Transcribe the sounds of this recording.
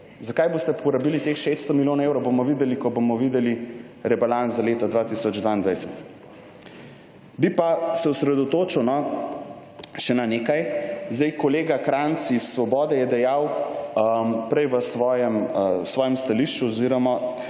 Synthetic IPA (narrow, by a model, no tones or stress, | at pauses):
zakajbost̪ɛpɔɾabiːlit̪exʃet̪st̪ɔmiljoːnaewɾɔwbomɔʋid̪ɛlikɔbomɔʋid̪ɛli | ɾɛbalanzzaleːt̪ɔd̪ʋaːt̪isɔd͡ʒd̪ʋaːind̪ʋajsɛt̪ | bipasɛusɾɛd̪ɔt̪oːt͡ʃuwnɔ | ʃɛnaneːkajzd̪ɛjkɔleːɡakɾansisːʋɔbɔːd̪ɛjɛd̪ɛjaw | pɾɛjʋəsʋɔːjɛmsʋɔːjɛmst̪aliʃt͡ʃuɔziɾɔma